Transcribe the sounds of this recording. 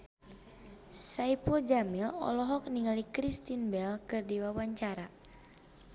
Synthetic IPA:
saipɔd͡ʒamilɔ̰lɔɦɔk̚niŋalikɾist̪inbɛlkɨrdiwawaɲt͡ʃaɾa

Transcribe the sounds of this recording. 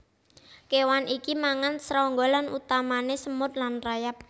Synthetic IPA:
kewanʔikimaŋansɾɔŋɡolanut̪amanesəmʊt̪̚lanrajap̚

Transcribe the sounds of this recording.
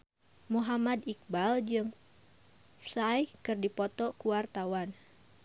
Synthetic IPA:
muɦamadik̚bald͡ʒɨŋ | fsajkɨrdipɔt̪ɔkuwart̪awan

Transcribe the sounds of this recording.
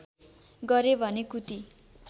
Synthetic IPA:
ɡʌɾebʱʌnekut̪i

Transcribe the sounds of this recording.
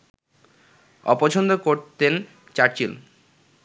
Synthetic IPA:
ɔ̰pot͡ɕʰond̪okoɾt̪en | t͡ɕaɾt͡ɕil

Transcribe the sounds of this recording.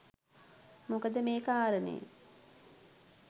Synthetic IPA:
mukəd̪əmeːkaːɾənḛː

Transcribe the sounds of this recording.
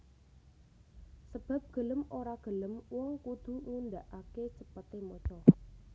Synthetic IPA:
səb̥a̤p̚ɡ̥ə̤ləmoɾaɡ̥ə̤ləmwɔŋkud̪̥ṳŋund̪aʔaket͡ʃəpət̪emɔt͡ʃɔ

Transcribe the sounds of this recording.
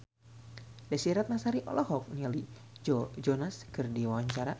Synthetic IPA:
dasiɛɾat̪̚nasaɾiʔɔ̰lʔɔhɔk̚niali | d͡ʒɔd͡ʒɔnaskɨrdiwawaɲt͡ʃaɾa

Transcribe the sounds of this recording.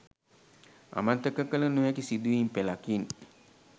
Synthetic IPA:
a̰mant̪əkəkələnujakisid̪uimpelakin

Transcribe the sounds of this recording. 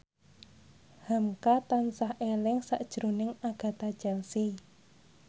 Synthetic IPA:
hamkat̪ansahelɪŋsaʔd̥ʒ̥ɾonɪŋaɡ̥a̤t̪ad̥ʒ̥a̤nsi

